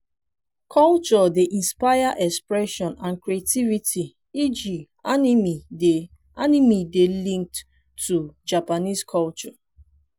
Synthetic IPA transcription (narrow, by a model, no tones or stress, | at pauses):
kʰɔlt͡ʃɔdeʔĩnspaɪjaʔɛkspɹɛʃɔ̃nãnkɹiativitʰi | id͡ʒi | animide | animidelĩŋk̚tː | ud͡ʒapaniskʰɔlt͡ʃɔ